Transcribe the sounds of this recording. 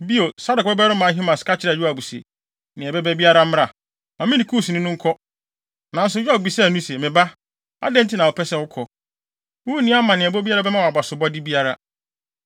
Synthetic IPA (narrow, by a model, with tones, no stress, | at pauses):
bi˦o˨sa˦dʊ˨k̚bɛ˦bɛ˦ɾʊ˦mã˨˦ɦi˦mã˨ska˦t͡ɕʰɪ˨ɾɛ˨jᶣu˦a˨bu˨sḛ˨ | nɪ̃˨ɛ˨bɛ˦bɛ˦bi˦a˦ɾa˦m˦ɾa˨ | mã˨mɪ̃˦ɪ̃˨kʰu˦˨snɪ̃˦nʊ̃˦ŋ̩˦kʰɔ˦ | nã˨n̩˦s̬ʊ˨jᶣɔ˦k̚bi˨sɛ˦˨nũ˦se˨mɪ̃˨ba˦ | a̰˦dɛ̃˦n̩˦tʰɪ˦nã˨ʊ˨pʰɛ˦sɛ˦˨wʊ˦kʰɔ˨ | wu˦nĩ˦a˦mã˨nɪ̃˨ɛ˨bɔ˦bi˦a˦ɾa˦bɛ˦mã˦˨a˨ba˨sʊ˨bɔ˦dɪ˦bi˦a˦ɾa˦